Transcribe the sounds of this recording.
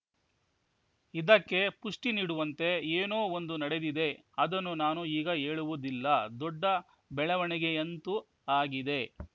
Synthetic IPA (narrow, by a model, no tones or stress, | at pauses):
id̪ɐkːe̞puʂʈiniːɽuʋɐnt̪e̞eːnoːond̪unɐɽe̞d̪id̪e̞ | ɐd̪ɐnːunaːnuiːɡɐɦeːɭuʋud̪ilːɐd̪ɔɖːɐ | bɛɭɐʋɐɳiɡe̞ɐnt̪u | aːɡid̪e̞